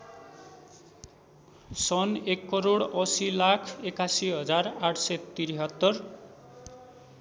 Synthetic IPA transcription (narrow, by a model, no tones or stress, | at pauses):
sʌnekːʌɾoɽʌsilakʰekasiɦʌd͡zaraʈʰsʌt̪iɾiɦʌt̪ːʌr